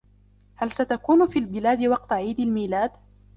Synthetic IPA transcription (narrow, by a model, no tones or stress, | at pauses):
halsat̪akuːnʊfiːlbɪlaːd̪ɪwɑq̚t̪aʕiːd̪almiːlaːd̪